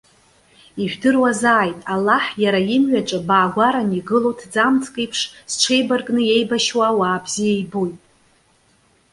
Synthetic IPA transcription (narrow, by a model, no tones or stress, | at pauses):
iʒᶣdɨrwazaːjtʼalːaħjaɾajɪmɥʷᶣat͡ʃʼɨbaːɡʷaɾaniɡɨlowtʰd͡zamt͡sʰkʼijpʰʂsʈ͡ʂʷʰejbarkʼnɨje̞jbaʃwawaːbzijajbojtʼ